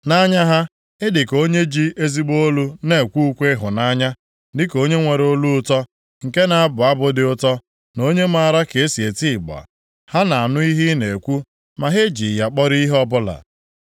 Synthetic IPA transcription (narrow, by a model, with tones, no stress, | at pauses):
na˦ɲa˦ɦa˦ | ɪ˦dɪ˨ko˦ɲe˦d͡ʒi˦ʔe˦zi˦ɡ͡bo˦lu˦ne˨kʷu˦u˦kʷe˦ɦʊ˨na˦ɲa˦ | dɪ˦ko˦ɲe˦ŋʷe˨ɾo˦lu˦ʊ˦tɔ˦ | ŋ̩˨ke˦na˨a˦bʊ˨a˦bʊ˦dɪ˨ʊ˦tɔ˦ | no˦ɲe˦ma˨ɾa˦ke˨e˦si˨e˨ti˦˨ɡ͡ba̰˨ | ha˦na˨a˨nʊ˦i˦ɦi˦ne˨kʷu˦ | ma˨ɦe˦d͡ʒi˨ja˨k͡pɔ˦ɾi˦ɦɔ˦bʊ˦la̰˨